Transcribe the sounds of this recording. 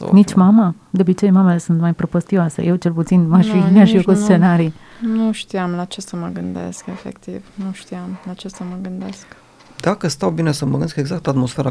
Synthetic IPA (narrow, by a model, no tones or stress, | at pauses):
nit͡ʃmama | d̪ɐbit͡ʃɛjmamadsənmajpɾopɔst̪iwasɛ̰jɛwt͡ʃɛlput̪t͡sinmaʃimaʒiwkɔt̪st͡s̪enaɾi | nuʃt̪ijamlat͡ʃesəməɡənd̪ḛskefḛkt̪ivnuʃt̪ijamlat͡ʃesəməɡənd̪esk | d̪akəst̪awbinesəməɡənskeɡzak̚t̪at̪mosfeɾa